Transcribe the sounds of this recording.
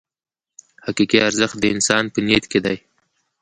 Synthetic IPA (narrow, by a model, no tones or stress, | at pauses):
haqikiaɾzəxt̪̚d̪əɪnsɑnpənet̪ked̪aj